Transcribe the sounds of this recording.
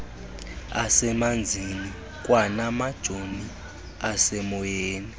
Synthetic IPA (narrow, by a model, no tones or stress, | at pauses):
asɛmand͡zʱini | kʼwanamad̥ʒ̥ʱoni | asɛmɔjeːni